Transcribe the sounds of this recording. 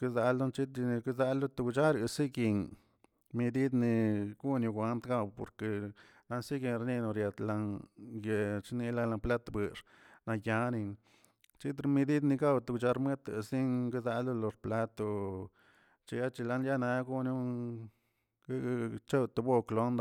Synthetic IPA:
ke˦za˧lːo˦nt͡ʃi˦t̪i˧ki˦za˧lːu˦t̪u˧kt͡ʃa˦ɾi˧si˦ɡi˧ŋ | mi˧d̪i˦d̪ni˧ɡu˦nju˧ɡʷa˧˦nt̪ɡa˧wpo̰˨ɾke˧ | na˧nsi˦ɡi˧nɾni˧no˧ɾja˧t̪la˧ŋje˨t͡ʃni˧la˧la˧pla˦t̪bɨ˨ʂ | na˧ja˧ni˧n | t͡ʃi˦t̪ɾmi˧d̪i˦d̪ni˧ɡa˦wt̪u˧kt͡ʃa˧ɾme˦t̪ḛ˨si˦ŋɡe˦za˧lo˦˧lo˧ɾpla˦t̪o˧ | t͡ʃi˧ja˦t͡ʃi˧la˦nja˦na˧ɡu˦nju˦˧ | t͡ʃo˦t̪u˧bo˦klo˦nd̪

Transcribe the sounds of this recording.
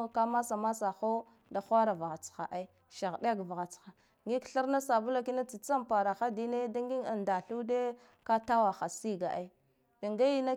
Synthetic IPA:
ka˦ma˦sa˨ma˦sa˨xo˦ | da˨xʷa˦ɾa˨va˨ɣa˨t͡sxa̰˨ʔa˦i˦ | ʃa˨ɣde˦ɡva˨ɣa˨t͡sxa˨ | ŋɡi˦kɬi˦ɾna˦sa˨bu˦la˨ki˦na˦t͡si˨t͡sa˦mpa˨ɾa˨xa˦di˦ne˦da˦ŋɡi˦ŋa˨nda˨ɬu˦de˦ | ka˦ta˦wa˨xa˨si˦ɡa̰˨ʔa˦i˦ | i˨ŋɡa˦ji˦na˦

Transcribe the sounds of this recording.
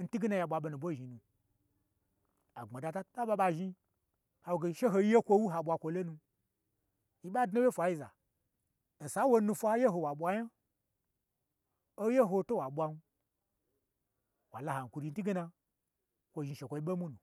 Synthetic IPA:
n̩˦ti˦ɡi˦na˧ja˧ɓʷa˧ɓo˧nu˨bʷo˦˨ʒi˨nũ˧ | a˨ŋ͡ma˨da˨˧ta˦ta˦ɓa˧ɓa˧ʒi˦ | ha˨wɡe˨ʃe˦ɦo˧˦je˦kʷo˧wu˦ɦa˨ɓʷa˧kʷo˧lo˦nu˧ | ji˦ɓa˦dno˦je˦fʷa˨ji˧za̰˨ | n̩˨sa˨˦wo˧nu˧fʷa˦je˦ɦo˧wa˨ɓʷa˧ja˦ | o˦je˦ɦo˧to˦wa˨ɓʷa˧nu˧ | wa̰˨la˨ha˨ŋ̩˨kʷu˧ɾi˧n̩˦ti˦ɡi˦na˧ | kʷo˨ʒi˧ʃe˨kʷo˧i˦ɓe˦mu˦nu˨

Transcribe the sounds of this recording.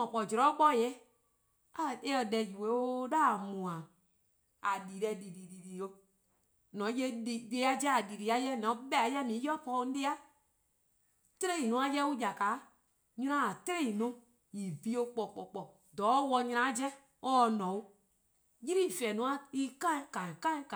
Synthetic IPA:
ɔ̃˨k͡pɔ˨d͡ʒɾɔ˨˦k͡pɔ˦˨jɛ˦ | a˦˨e˦ɔ˨dɛ˨d͡ʒu˨we˨˦o˦da˦˨mũ˨ã˨ | a˨di˨ɾɛ˧di˨di˨di˨di˨o˧ | nɔ̃˨˦je˦di˨de˧˦a˦d͡ʒɛ˦a˨di˨ɾi˨˦a˦jɛ˦nã˨˦ɓɛ˦a˨˦jɛ˦mĩ˨˦jɔ˦pɔ˦n̩˦de˦a˦ | te˦ɾe˦˨i˨nũ˨˦ã˧jɛ˦u˦ja˨ka˨˦ | ɲĩ˦ã˦a˨te˦ɾe˦˨i˨nũ˦ | ji˨bi˦o˧k͡pɔ˨k͡pɔ˨k͡pɔ˨ | dɔː˨˦wɔ˧˦ɲĩ˧ã˨˦d͡ʒɛ˦ | ɔ˦˧˨nɔ̃˨u˦ | ji˦ɾi˦˨fɛ˨nũ˨˦ã˦i˦kã˦kã˨kã˦ĩ˦k

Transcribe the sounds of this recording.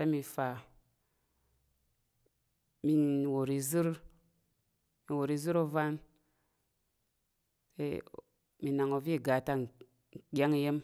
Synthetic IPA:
e˦mi˧fa˨ | mi˨˧n˨wo˨ɾi˨˦zɨ˦ɾ | mi˨wo˨ɾi˦zɨ˦ɾo˦va˦n | ḛ˦ | mi˨na˨ŋo˨vi˦˨ɡa˨ta˦˨ | ɡʲa˦ŋi˨je˦m

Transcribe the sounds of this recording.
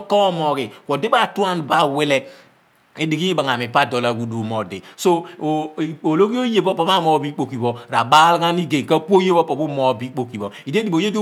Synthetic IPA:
kɔ˦mɔ˨ki˨kʷɔ˨di˦ba˦˨tu˦a˦nba˦˨we˦lɛ˦ | e˨˦di˨ɡi˦ba˨ŋa˨mi˨pa˦˨dɔ˨la˨ɡu˦du˨mɔ˨dḭ˨so˦˨ | o˨lo˦ki˦o˦je˨bɔ˦pɔ˨m˦a˦mɔ˨bi˦k͡po˨ki˨bɔ˨ɾa˨ba˦lɡa˦ni˦ɡe˨ŋka˦po˦je˦bɔ˦pɔ˨bu˦mɔ˨bi˦k͡po˨ki˨bɔ˨i˨de˦di˨bo˨je˦do˦

